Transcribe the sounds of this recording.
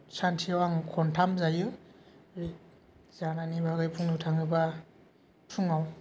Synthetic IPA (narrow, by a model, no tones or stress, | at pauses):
santʰiawaŋɯkʰɔntʰamzajɯ | zananibʱaɡɯjpʰuŋnɯtʰaŋɯba | tʰuŋaw